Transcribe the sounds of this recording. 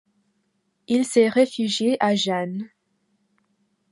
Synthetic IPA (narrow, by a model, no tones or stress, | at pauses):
ilsɛʁefyʒjeʔaʒan